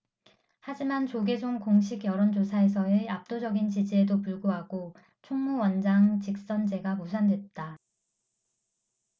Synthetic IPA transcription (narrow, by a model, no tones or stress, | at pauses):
had͡ʑimant͡ɕoɡe̞d͡ʑoŋkoŋɕʰiɡjʌɾond͡ʑosʰae̞s̬ʰʌeap̚t͈od͡ʑʌɡint͡ɕid͡ʑie̞dopuɭɡoɦaɡo | t͡ɕʰoŋmuwʌnd͡ʑaŋt͡ɕik̚s͈ʌnd͡ʑe̞ɡamusʰandwe̞t̚t͈a